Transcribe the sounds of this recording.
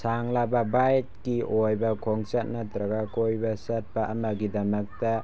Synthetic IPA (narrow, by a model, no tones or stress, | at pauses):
saŋlababajt̚kiʔojbɐkʰɔŋt͡ʃat̚natɾɐɡakojbɐsɐt̚paʔɐmaɡidɐmɐk̚ta